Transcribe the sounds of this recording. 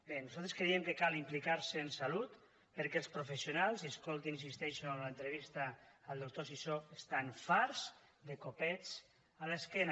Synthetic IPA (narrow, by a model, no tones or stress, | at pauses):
benuzalˠt̪ɾeskɾeiemkekalimplikaɾseːnsalut̪ | pəɾkɛlˠspɾofesiunalˠziəskolˠt̪inins̬ist̪ɛʃõnlaent̪ɾeβ̞ist̪aːlˠd̪ok̚t̪osisoest̪anfaɾz | d̪ekopɛt͡s | aleskɛn